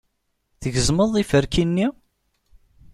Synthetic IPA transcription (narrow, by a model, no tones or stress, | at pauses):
θəʝəzməðˤifəɾkinːi